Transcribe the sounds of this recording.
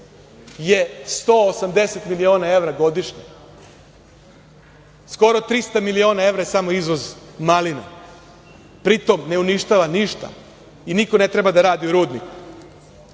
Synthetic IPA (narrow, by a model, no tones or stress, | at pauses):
je̞st̪oːosamd̪e̞set̪milio̞ːnae̞ʋɾaɡo̞d̪iʃɲe | sko̞ɾot̪ɾist̪amilio̞ːnae̞ʋɾajesamoizʋo̞zmalina̰ | pɾit̪o̞mne̞uniʃt̪aʋaniʃt̪a̰ | inikone̞t̪ɾe̞bad̪aɾaːd̪iuɾuːd̪niku̥